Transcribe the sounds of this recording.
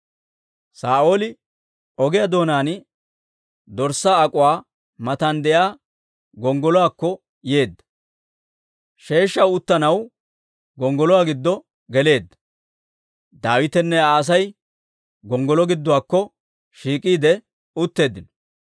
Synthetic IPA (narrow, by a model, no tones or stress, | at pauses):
saːʔoːlɪ | ɔɡɪjad̪o̞ːnaːnɪ | d̪ɔɾsaːɐkʼʊwaː | mɐt̪ɐnd̪ɛjaː | ɡɔŋɡɔlɔwaːkːɔ | je̞ːd̪ːɐ̥ | ʃe̞ːʃːɐwʊt̪ːɐnɐw | ɡɔŋɡɔlɔwaɡɪd̪ːɔ | ɡɛle̞ːd̪ːɐ̥ | d̪aːwɪt̪ɛnːɛaːs̬ɐj | ɡɔŋɡɔlɔɡɪd̪ːɔwaːkːɔ | ʃiːkʼiːd̪ɛ | ʊt̪ːe̞ːd̪ːɪnɔ̥